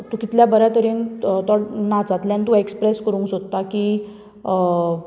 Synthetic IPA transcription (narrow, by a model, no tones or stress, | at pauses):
t̪ukit̪ljabəɾjat̪əɾint̪ɔɽnad͡zat̪ljant̪uekspɾeskəɾũːŋksod̪t̪aki